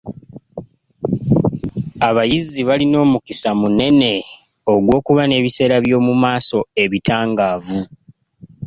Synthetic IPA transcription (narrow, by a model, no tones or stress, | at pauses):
aβajizːiβalino̞ːmukisamune̞ne̞ | oɡwo̞ːkuβane̞ːβise̞ːɾaβjo̞ːmumaːso̞e̞βitaːŋɡaːvu